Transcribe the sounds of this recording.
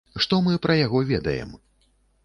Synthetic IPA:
ʂt̪ɔmɨpɾɐjaɣɔvʲɛd̪ɐ̰jɛ̰m

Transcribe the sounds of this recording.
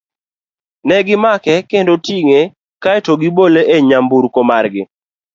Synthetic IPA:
nɛɡɪmakɛkendotiŋe | kaɛtoɡɪboleʔeɲambuɾkomarɡɪ

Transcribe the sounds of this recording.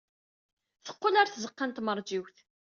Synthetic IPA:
θə̥qːʊlaɾθzəqːant̪məɾˤd͡ʒiwθ

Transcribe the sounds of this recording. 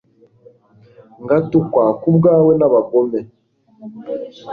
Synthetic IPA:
ŋɡatukwakubɡaːwenaβaɡome

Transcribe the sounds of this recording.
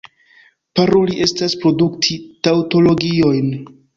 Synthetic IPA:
paɾo̞liʔe̞staspɾo̞duktʰitawto̞lo̞ɡio̞jn

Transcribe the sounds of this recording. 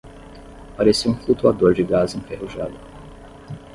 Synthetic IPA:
paɾesiũflut̪uad̪oɾd͡ʒɪɡazẽfeɦuʒa̰d̪ʊ

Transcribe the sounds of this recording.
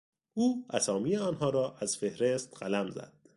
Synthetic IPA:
ʔuːæsɒːmiːjeɒːnɦɒːɾɒːʔæz̥fe̞hɾest̪ɢælæmzæ̰d̪̥

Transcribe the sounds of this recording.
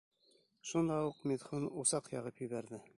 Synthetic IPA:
ʃund̪ɑuqmiðχunusɑqjɑʁɤpjɵ̆βæɾðɘ

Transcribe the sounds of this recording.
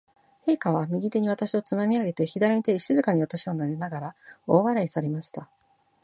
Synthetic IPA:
he̞ːkaβ̞amʲiɡʲit̪e̞ɲ̟iβ̞at̪aɕio̞t͡sɨmamʲiaɡe̞t̪e̞çid̪aɾamʲit̪eiɕɨzɨkaɲ̟iβ̞at̪aɕionanenaɡaɾaoːβaɾaisaɾe̞maɕi̥t̪a

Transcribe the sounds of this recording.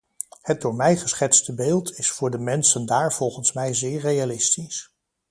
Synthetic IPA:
hət̚dʊːɹmɛjχəsχɛtstəbeːlˠtʰɪsfʊːɹdəmɛnsəndaːɹv̥ɔlˠχənsmɛjzɪːɹrejalɪstis

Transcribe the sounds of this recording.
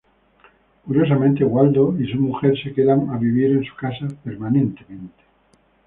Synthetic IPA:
kuɾjos̬amẽnt̪eɣwald̪oisumuxeɾsekeðaŋaβiβ̞iɾensu̥kasapeɾmanẽnt̪emẽnt̪e̥

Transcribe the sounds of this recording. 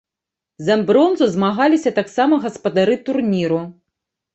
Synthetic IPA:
zɐmbɾɔnzuzmaɣalʲisʲɐt̪aksamɐɣɐspɐd̪aɾɨt̪urnʲiɾu

